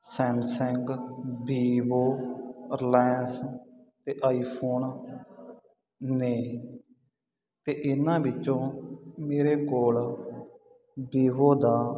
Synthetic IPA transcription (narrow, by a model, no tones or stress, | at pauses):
sɛ̃ːmsɛ̃ŋɡbiːboːəɾlɛːnst̪eːʔaːiːpʰoːn | neː | t̪eːʔɪnãːbɪt͡ʃːõːmeːɾeːkoːl | biːʋoːd̪aː